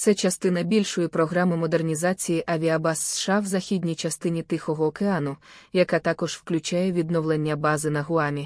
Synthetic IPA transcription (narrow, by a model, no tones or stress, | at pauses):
t̪sɛt͡ʃɐst̪ɪnɐbʲilʲʃɔjipɾɔɦɾɑmɪmɔd̪ernʲizɑt͡sʲijiʔɐʋʲiɐbɑsːʃɑwzɐxʲid̪ʲnʲijt͡ʃɐst̪ɪnʲit̪ɪxɔɦɔːkeɑnʊjɐkat̪ɑkɔʒ̥wklʲʊt͡ʃajɛʋʲid̪nɔʋlˠenʲːɐbɑzɪnɐɦʊɑmʲi